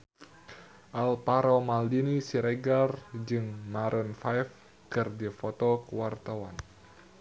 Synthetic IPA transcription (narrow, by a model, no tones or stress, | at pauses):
ʔalpaɾɔmaldinisiɾɛɡard͡ʒɨŋmaɾʔɔnfajf | kɨrdifɔt̪ɔkuwart̪awan